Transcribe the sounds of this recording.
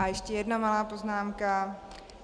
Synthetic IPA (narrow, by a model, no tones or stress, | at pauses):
ajɛʃcɛjɛdnamalaːpoznaːmka